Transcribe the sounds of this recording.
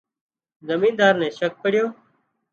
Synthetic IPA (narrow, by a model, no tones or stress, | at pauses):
zəmĩːnd̪aːɾnɛ̃ːʃək̚pəɽɪjoː